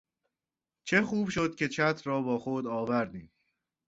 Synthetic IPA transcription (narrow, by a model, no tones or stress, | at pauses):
t͡ʃʰe̞xuːbʃo̞d̪̚cʰʲe̞t͡ʃʰæt̪ʰɾɒːbɒːxod̪ɒːvæɾd̪iːm